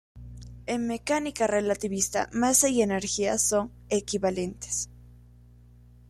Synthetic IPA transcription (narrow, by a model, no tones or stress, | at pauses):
eŋme̞kanikarelat̪iβist̪a̰masejeneɾxia̰so̞ŋ | ekiβalent̪e̥s